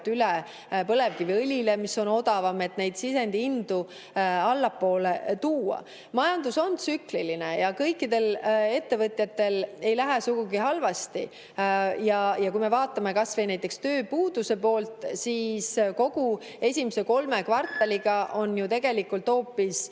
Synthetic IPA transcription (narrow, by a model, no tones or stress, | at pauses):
t̪ːyle | pɤle̞vkiviɤlʲile̞misːo̞no̞d̪̥ɑvɑme̞t̪ːne̞jd̪̥sise̞nd̪iind̪̥u | ɑlːɑpːo̞ːlet̪uːɑ̰ | mɑjɑnd̪uso̞nt̪syklilinejɑkɤjkːˑid̪e̞le̞t̪ːe̞vɤt̪ʲˑjɑt̪ːe̞le̞jlæɦesuɡuɡihɑlvɑst̪i | jɑjɑkujmevɑːt̪ːˑɑme̞kɑsvejnæjt̪ːˑekst̪ø̞ːpuːd̪̥use̞po̞ːlt̪ˑsiːsko̞ɡ̥u | e̞sʲimise̞ko̞lme̞kvɑrt̪ˑːɑliɡ̥ɑʔo̞nːjut̪e̞ɡ̥e̞likːˑult̪ho̞ːpːis